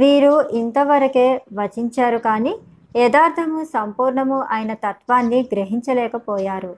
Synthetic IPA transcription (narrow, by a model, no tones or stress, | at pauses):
ʋiːɾuʔint̪ɐʋɐɾɐke̞ːʋɐt͡ʃiɲt͡ʃaːɾukaːniː | ɛːd̪aːɾt̪ʰɐmusɐmpuːɾɳɐmuʔaːjɐnɐt̪ɐt̪ʋaːnːiɡɾeɦiɲt͡ʃɐlɛːkɐpɔːjaːɾu